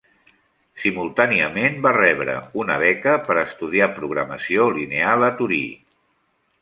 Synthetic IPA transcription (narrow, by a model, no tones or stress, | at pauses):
simulˠt̪aniəmenbarɛβɾə̰unə̰βɛkəpəɾəst̪uð̞iapɾuɣɾəməsiolinealˠət̪uɾḭ